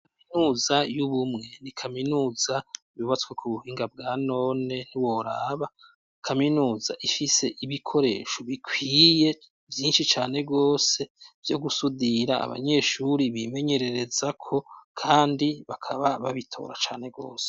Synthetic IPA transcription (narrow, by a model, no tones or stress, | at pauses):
kkamminuːzajuβumŋe̞nikʰaminuːz̥a | βuβat͡skwekʰuβuhiːŋɡab̚ɡaːno̞ne̞n̥uwo̞ɾaːβa | kʰaminuːza̰ʔifise̞ʔiβikʰo̞ɾe̞̰ːʃoβikʰwiːje̞ | vjiːnʃit͡ʃaːne̞ɡo̞ːse̞vjo̞ɡusudiɾaa̰βa̰ɲe̞ːʃuɾiβime̞ɲe̞ɾe̞ɾe̞zakʰo̞kʰaːndiβakʰaβaβaβitʰo̞̰ːɾa̰t͡ʃaːne̞ɡo̞̰ːse̥